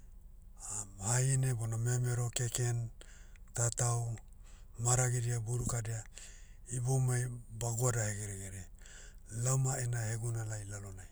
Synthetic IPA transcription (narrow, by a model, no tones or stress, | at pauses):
ahajinebonamemeɾo̞kekentataw | maɾaɡidiabuɾukadea | ibomajbaɡoadaheɡeɾeɡeɾe | lawmaenaheɡunalajlalonaj